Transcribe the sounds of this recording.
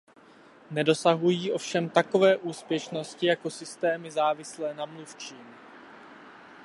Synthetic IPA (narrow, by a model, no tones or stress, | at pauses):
nɛdo̞saɦujiːʔo̞fʃɛmt̪ako̞vɛːʔuːspjɛʃno̞scɪjako̞sɪst̪ɛːmɪzaːvɪslɛːnamluft͡ʃiːm